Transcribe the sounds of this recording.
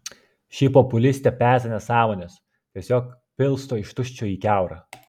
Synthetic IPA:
ʃʲipɔpʊlʲɪsʲt̪ʲɛpʲæːˑɾʲsʲɛnʲɛsɑːmoːnʲɛs | t̪ʲiɛsʲoːk | pʲɪlˠst̪oːɪʃt̪ʊʃʲt͡ʃʲoːiːkʲæˑʊɾɑ

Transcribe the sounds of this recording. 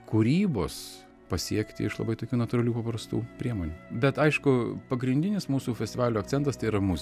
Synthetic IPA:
kuːɾʲiːbo̰ːs | pɐsʲiɛkt̪ʲɪ̰ɪʃlˠɐ̰bɐɪt̪oːkʲuːnɐt̪ʊːɾɐlʲuːpɐpɾɐst̪uːpʲɾʲiɛmoːnʲuːbʲɛt̪ɐɪʃkʊpɐɡɾʲɪnʲd̪ʲɪnʲɪsmuːsuːfʲɛsʲtʲɪʋɑːlʲuɐk̪̚t͡sʲɛnt̪ɐst̪ɐɪiɾɐmʊzʲ

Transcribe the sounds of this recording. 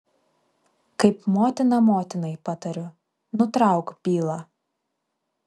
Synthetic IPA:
kɐɪpmoːt̪ʲɪnɐmoːt̪ʲɪnɐɪpɑt̪ɐɾʲʊ | nʊt̪ɾɑˑʊkpʲiːlˠɑː

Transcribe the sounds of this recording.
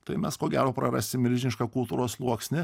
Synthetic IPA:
t̪ɐɪmʲɛskoɔɡʲæːɾoːpɾɐɾɑːsʲɪmmʲɪɾʲʒʲɪnʲɪʃkɑkʊlˠt̪uːɾoːslˠuɔksʲnʲɪ

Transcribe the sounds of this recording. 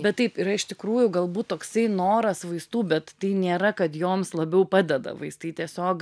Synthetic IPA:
bʲɛt̪t̪ɐɪpɪɾɐɪʃt̪ʲɪkɾuːjʊɡɐlˠbuːt̪t̪oːksɐɪnoːɾɐsʋɐɪst̪uːbʲɛt̪tɐɪnʲeːɾɐkɐt̪joːmslˠɐbʲɛʊpɑːd̪ʲɛd̪ɐ̰ʋɐɪst̪ɐɪt̪ʲiɛsʲoːk

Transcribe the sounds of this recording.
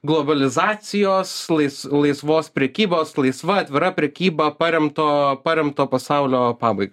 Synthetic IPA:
ɡlˠɔbɐlʲɪzɑːsʲɪjoːslˠɐɪslˠɐɪsʋoːspʲɾʲɛkʲiːboːslˠɐɪsʋɐɐt̪ʲʋʲɪɾɐpʲɾʲɛkʲiːbɐpɐɾʲɛmt̪oːpɐɾʲɛmt̪oːpɐsɑʊlʲoːpɑːbɐɪɡo

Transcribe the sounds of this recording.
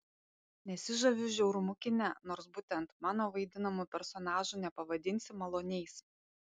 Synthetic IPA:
nʲɛsʲɪʒɐʋʲʊʒʲɛʊɾʊmʊkʲɪnʲɛnoːɾsbuːt̪ʲɛnt̪mɑːnoːʋɐɪd̪ʲɪnɐmupʲɛɾsɔnɑːʒuˑnʲɛpɐʋɐd̪ʲɪnʲsʲɪmɐlˠoːnʲɛɪs

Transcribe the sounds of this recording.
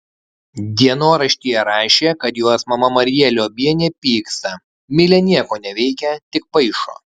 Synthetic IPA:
d̪ʲiɛnoːɾɐʃʲt̪ʲiːjɛɾɑːʃʲeːkɐt̪joːsmɐmɐmɐɾʲɪjɛlʲoːbʲiɛnʲɛpʲiːkst̪ɐ | mʲɪlʲɛnʲiɛkoːnʲɛʋʲɛɪkʲɛt̪ʲɪk̚pɐɪʃo̰ː

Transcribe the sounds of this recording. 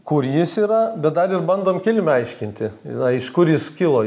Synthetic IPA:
kʊrjɪsiːɾɐbʲɛt̪̚d̪ɐɾɪrbɐnd̪oːmkʲɪlʲmʲʊɐɪʃʲkʲɪnʲt̪ʲɪɐɪʃkʊɾjɪskʲɪlˠoː

